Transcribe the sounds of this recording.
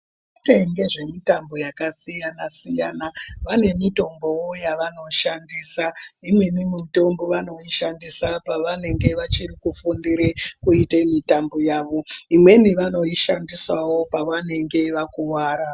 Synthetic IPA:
ʋate̞ŋɡe̞ʐe̞mitambo̞jakasijanasijanaʋane̞mito̞mbo̞wojaʋano̞ʃandiːsaimwe̞nimuto̞mboʋano̞iʃandisapaʋane̞ŋɡe̞ʋat͡ʃirikufundiɾekuitemitambo̞jaːʋo̞imwe̞niʋano̞iʃandiswawo̞paʋane̞ŋɡe̞ʋakuwaːɾa

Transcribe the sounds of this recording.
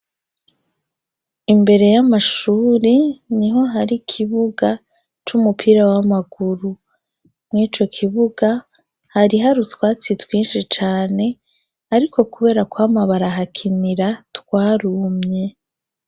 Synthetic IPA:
imbe̞ɾe̞jamaʃuːɾiniɦo̞ɦaɾikʰiβuɡa | t͡ʃumupʰiɾawamaɡuɾu | mŋiːt͡ʃo̞kʰiβuɡa | haɾiɦaɾutwaːt͡sitwiːnʃit͡ʃaːne̞ | aɾikʰo̞kuβe̞ːɾakwaːmaβaɾaɦakʰiniɾatkwaːɾumɲe̞

